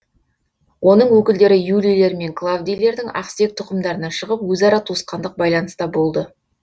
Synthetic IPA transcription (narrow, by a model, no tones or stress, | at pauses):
wʔo̞nəɴwɵkʲɪld̪e̞ɾɪjulʲijle̞ɾme̞ŋklˠavd̪ijle̞ɾd̪ɪŋɑ̰qst̪e̞k̚t̪ʰʊqəmd̪ɑɾənɑʃəʁəpwɵzɑɾɑt̪ʰosqɑnd̪əq̚bɑjlˠɑnəst̪ɑbo̞lˠd̪ə